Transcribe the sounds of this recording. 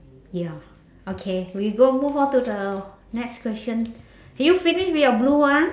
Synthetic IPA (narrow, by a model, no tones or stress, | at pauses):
ja | okʰewiɡomuvɔtudə | nɛkskwɛsə̃n | hɛjufiniʃwijɔblua